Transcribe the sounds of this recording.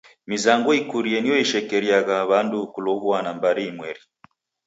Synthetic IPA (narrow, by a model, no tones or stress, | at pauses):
mizaŋɡɔikuɾiɛnijɔiʃɛkɛɾiaɣaβandukulɔβuanambaɾiːmwɛɾi